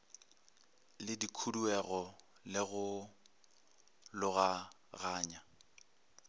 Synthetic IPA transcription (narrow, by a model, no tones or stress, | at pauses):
lɪdikʰuduɛɣɔ | lɪɣʊ | lʊɣa | ɣaːɲa